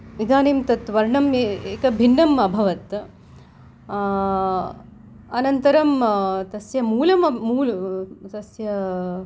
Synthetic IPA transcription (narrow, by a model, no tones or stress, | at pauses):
ʋid̪ʱaːneːmt̪ɐt̪ʋɐɾɳɐmeːkɐbʱinːɐmɐbʱɐʋɐt̪ | ɐnɐnt̪ɐɾɐmt̪ɐsjɐmuːlɐmɐːuːlt̪ɐsjɐ